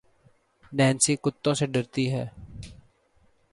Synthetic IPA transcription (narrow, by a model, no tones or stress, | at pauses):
nɛːnsiːkʊt̪ːõseɖəɾt̪iɦɛː